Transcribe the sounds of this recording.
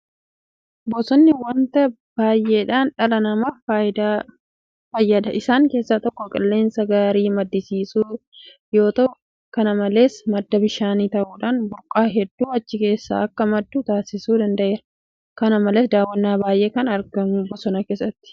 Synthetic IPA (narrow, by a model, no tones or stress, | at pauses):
bɔsɔnːɪwɐnt̪ɐ | baːjʔːeːᶑaːnᶑɐlɐnɐmɐd̪a | fɐjːɐd̪ɐʔɪsaːŋke̞ːsːaːt̪ɔkːɔkʼɐlːe̞ːnsɐɡaːɾiːmɐd̪ːɪsiːsuː | jo̞ːt̪ɐʔʊ | kɐnɐmɐle̞ːsmɐd̪ːɐbɪʃaːniːt̪ɐʔuːᶑaːnbʊɾkʼaːɦɛd̪ːuːɐt͡ʃːɪke̞ːsːa̰ːɐkːɐmɐd̪ːuːt̪aːsɪsuːd̪ɐnd̪ɐʔe̞ːɾɐ | kɐnɐmɐleːsd̪aːwːɐnːaːbaːjʔe̞ːkɐnɐɾɡɐmʊbɔsɔnɐke̞ːsːɐt̪ːɪ̥